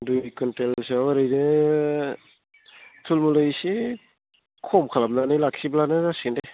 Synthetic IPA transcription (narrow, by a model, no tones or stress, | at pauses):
dujkɯntelsewaɾɯjnɯ | tʰulmulɯjsi | kʰɔmkʰalamnanɯjlak̚siblanɯzasinde